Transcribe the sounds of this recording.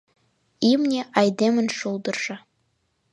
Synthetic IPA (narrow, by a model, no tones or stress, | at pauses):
imnʲeʔɑjd̪emɘ̆nʃulˠd̪ɤ̆rʒ̥ɤ̆